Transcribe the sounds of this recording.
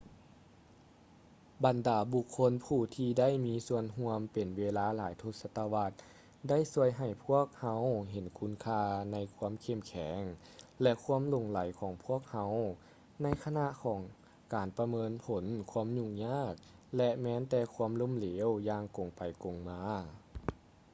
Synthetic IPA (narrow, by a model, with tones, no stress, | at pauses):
ba˨˩ndaː˨˩bu˧kʰːo˧˥npʰuː˧˩t̪ʰiː˧da˥˩jmiː˧˥su˧ənɦu˧əmpe˨˩nweː˧laː˧˥laː˨˦jt̪ʰo˧t̪̚sa˧t̪a˧wa˧t̪̚ | da˥˨jsu˧əjɦa˨˩jpʰu˥˩ək̚ha˧˥wɦe˨˩˦nkʰu˧˥nkʰaː˧na˧˥jkʰu˧˥ə˨mkʰe˧˩mkʰɛː˩˦ŋ | lɛ˧kʰu˧˥əmlo˨˩ŋla˨˦jkʰɔː˨˩˦ŋpʰu˥˩ək̚ha˧˥w | na˧˥jkʰa˧na˧ʔkʰɔː˨˦ŋ | kaː˨˩npa˧mɤː˧˥npʰo˨˦nkʰu˧ə˨mɲu˧ɲaː˥˩k̚lɛ˧mɛː˧˥nt̪ɛː˧kʰu˧ə˨mlo˧˥˨mleː˨˦wjaː˧ŋko˨˩ŋpa˨˩jko˨˩ŋmaː˧˥